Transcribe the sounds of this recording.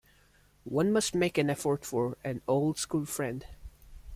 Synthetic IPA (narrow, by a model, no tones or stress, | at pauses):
wʌ̃nmʌst̚meɪkɨ̃nɛfəɹtfəɹæ̃noʊlˠdskulˠfɹɛ̃nd